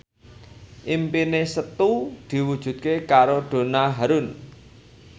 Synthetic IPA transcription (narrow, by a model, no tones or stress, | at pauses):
ʔimpinesət̪ud̪̥i̤wud̥ʒ̥ṳt̪̚kekaɾoɖ̪̥o̤naɦaɾʊn